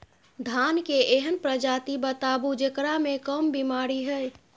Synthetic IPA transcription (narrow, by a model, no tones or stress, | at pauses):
d̪ʱankeʔeɦənpɾəd͡ʒat̪ibət̪abud͡ʒekɾamekəmbimaɾiɦəj